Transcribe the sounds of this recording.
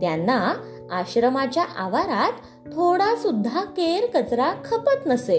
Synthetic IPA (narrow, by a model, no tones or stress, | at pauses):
t̪janːa | aɕɾəmat͡ɕjaʔaʋaɾat̪ | t̪ʰoɽasud̪ʱːakeɾkət͡sɾakʰəpət̪nəse